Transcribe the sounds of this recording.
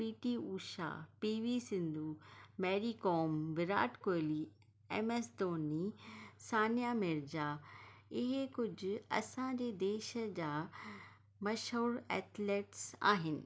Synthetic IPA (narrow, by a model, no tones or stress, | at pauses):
piːʈiuːʃa̰ːpiːʋisɪ̃nd̪ʱuːmɛːɾiːkɔːmʋɪɾa̰ːʈkoːli | ɛ̰ːmesd̪oːnisaːnijamɪɾd͡ʑaɪɦekʊd͡ʑʱʊ̆ɐ̰sãd͡ʑeːd̪eːʃəd͡ʑaː | mɐʃoːɾɛ̰ːt̪leːʈsa̰ːɦɪnɪ̰̆